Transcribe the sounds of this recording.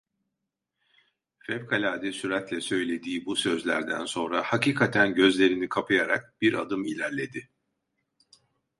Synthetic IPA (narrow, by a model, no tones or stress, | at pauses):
fɛvkʰalʲaːd̪ɛsyɾat̪lʲɛsø̞jlʲe̞d̪iːbusø̞zlʲæ̰ɾd̪æ̰nso̞nɾahaciːkʰat̪ʰænɟø̞zlʲe̞ɾinikʰapʰajaɾa̰k̚b̥iɾʔa̰d̪ɯmilʲæɾlʲe̞d̪ɪ